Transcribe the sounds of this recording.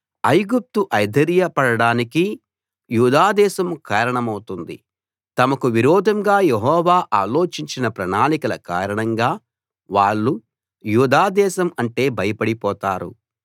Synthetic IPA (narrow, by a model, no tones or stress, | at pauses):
ɐjɡup̚t̪uʔɐjd̪ʱɐɾjɐpɐɽɐɽaːniki | juːd̪aːd̪ɛːʃɐmkaːɾɐɳɐmɐwut̪und̪ḭ | t̪ɐmɐkuʋiɾɔːd̪ʱɐmɡaːjeɦɔːʋaːʔaːlo̞ːt͡ʃiɲt͡ʃinɐpɾɐɳaːnikɐlɐka̰ːɾɐɳɐŋɡaː | ʋaːɭːu | juːd̪aːd̪ɛːʃɐmɐɳʈe̞ːbɐjɐpɐɽipɔːt̪aːɾṵ